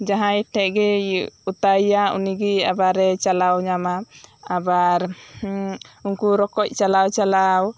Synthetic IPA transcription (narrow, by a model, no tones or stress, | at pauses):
d͡ʒaɦãjʈʰɛʔ̚ɡɛut̪ajaṵniɡiabaɾɛt͡ʃalawɲamaabaɾ | unkuɾɔkɔc̚ˀt͡ʃalawt͡ʃalaw